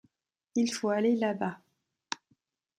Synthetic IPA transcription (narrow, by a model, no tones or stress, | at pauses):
ilfoalelaba